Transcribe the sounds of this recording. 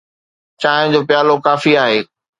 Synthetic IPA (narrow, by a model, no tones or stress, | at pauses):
t͡ɕaːɦɪ̃d͡ʑoːpjaːlokaːfiaːɦeː